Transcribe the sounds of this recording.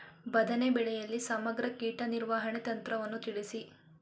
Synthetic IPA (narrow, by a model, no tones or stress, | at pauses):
bɐd̪ʱɐnebɛɭɛjɐlːisɐmɐɡɾɐkiːʈɐniɾʋaːɦɐɳet̪ɐnt̪ɾɐʋɐnːut̪iɽisi